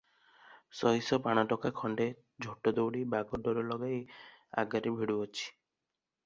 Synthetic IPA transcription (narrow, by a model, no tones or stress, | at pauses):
sɔɦisɔpaɽ̃ɔʈɔkakʰɔɳɖe | d͡ʒʱoʈɔd̪owɽibaɡɔɖɔɾɔlɔɡaia̰ɡaɾibʱiɽuɔt͡ʃʰi̥